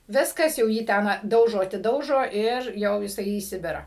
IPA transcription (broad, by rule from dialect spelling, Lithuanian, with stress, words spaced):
ˈʋʲɪskɐs jɛʊ ˈjiː ˈtʲɛn ˈdɐʊʒoː ɐtʲɪˈdɐʊʒoː ɪr ˈjɛʊ jɪˈsɐɪ iː ˈsʲɪbʲɪrɑː